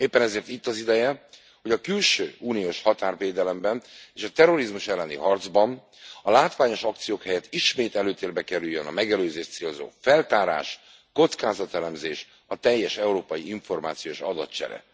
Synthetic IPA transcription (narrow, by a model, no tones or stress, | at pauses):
eːpːɛnɛzeːrt̪it̪ːɒzid̪ɛjɛ | ho̞ɟɒkylʃøːuːnijoːʃhɒt̪aːrveːd̪ɛlɛmbɛneːʃɒt̪ɛro̞ɾizmuʃɛlːɛnḭɦɒrd̪zbɒn | ɒlaːt̪ʋaːɲo̞ʃɒkt̪sijoːkhɛjɛt̪iʃmeːt̪ɛløːt̪eːrbɛkɛɾyjːønɒ̰mɛɡɛløːzeːʃt̪seːlzo̰ːfɛlt̪aːɾa̰ːʃ | ko̞t̪skaːzɒt̪ɛlɛmzeːʃ | ɒt̪ɛjːɛʃɛuɾoːpɒjiiɱfo̞rma̰ːt̪sijoːʃɒd̪ɒt̪t͡ʃɛ̰ɾɛ̰